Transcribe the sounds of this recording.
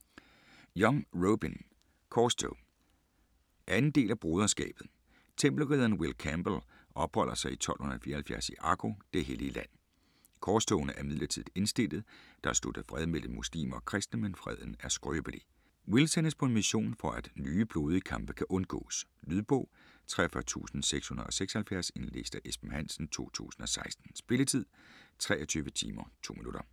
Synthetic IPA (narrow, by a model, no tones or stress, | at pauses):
jɒŋʁoʊb̥in | kʰɒːsd̥oʊ | ʔænn̩d̥e̝̰ːlæb̥ʁo̝ːð̞ˠɐsɡ̥ɛ̰ːb̥ð̩ˠ | t͡sʰemb̥l̩ʁiðˠɐn̩wilkʰæmb̥l̩ | ʔɒ̽b̥hɒ̽l̰ɐsɑ̈ɪit͡sʰɒ̽l̰hon̩ˠɐæfiːɐhælfjæɐsiʔɑ̈ɡ̥ʰo̝d̥e̝ɦeliəlæn̰ | kʰɒːsd̥oʊnəʔæɐmið̰ˠlɐt͡sʰið̰ˠe̝nsd̥e̝l̰ð̩ˠd̥ɑ̈ɐsd̥o̰d̥əfʁɛð̞ˠmel̰m̩muslḭːmɐkʰʁɛsd̥nəmenfʁɛð̞ˠən̩æɐsɡ̥ʁøːb̥əli | wilsenspʰɒ̽emiɕo̝̰ːnfɒ̽æd̥nyːb̥lo̝ːð̞ˠəkʰɑ̈mb̥əkʰæʔɔ̽nɡ̥ɔ̰̽ːslyðˠb̥ɔ̰̽ː | t͡sʰʁɛ̰ɐfɶɐt͡sʰṵːsn̩seɡ̥shunð̩ˠɒ̽seɡ̥sɐhælfjæɐse̝nle̝sd̥ɐʔesb̥n̩hæn̰sn̩t͡sʰo̝̰ːt͡sʰṵːsn̩ɒ̽sɑ̈ɪsd̥n̩sb̥e̝lət͡sʰið̰ˠt͡sʰʁɛːɒt͡sʰyːʋət͡sʰḭːmɐt͡sʰo̝̰ːminudɾɐ